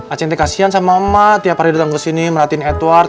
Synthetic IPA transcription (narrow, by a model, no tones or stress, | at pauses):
at͡ʃɛnt̪̬ɛkasiansamaəmat̪iapaɾidut̪aŋkəsiniməɾat̪inɛt̪war